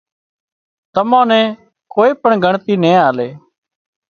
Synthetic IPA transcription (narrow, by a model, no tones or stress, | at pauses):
t̪əmãːnɛ̃ː | koːeːpəɳɡʱəɳt̪iːnẽːaːleː